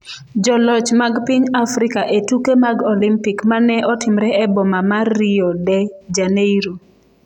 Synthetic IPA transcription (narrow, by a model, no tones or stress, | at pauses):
d͡ʒɔlɔt͡ʃmaɡpiɲafɾɪkaʔetukemaɡɔlimpikmanɛʔɔtɪmɾɛʔɛbɔmamariɔdɛd͡ʒaneiɾo